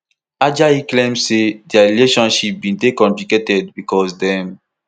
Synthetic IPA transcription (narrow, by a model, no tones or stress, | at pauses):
ad͡ʒaiklẽmsedɛaɹileʃɔ̃nʃip̚bĩndekɔ̃mpliketɛd̚bikɔsdɛ̃m